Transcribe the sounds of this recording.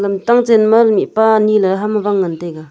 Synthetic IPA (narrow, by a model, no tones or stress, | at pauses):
lɐmtaŋt͡senmalmiʔpanilaɦamabaŋːanteɡa